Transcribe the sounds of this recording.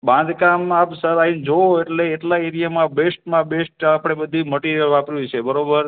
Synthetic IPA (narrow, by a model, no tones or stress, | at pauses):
bãnd̪kamapsəɾaind͡ʒooeʈleːʈlaeɾijamãbesʈmãbesʈapɽ̃ebəd̪ʱiməʈiɾjəlʋapɾjũt͡ʃʰebəɾobəɾ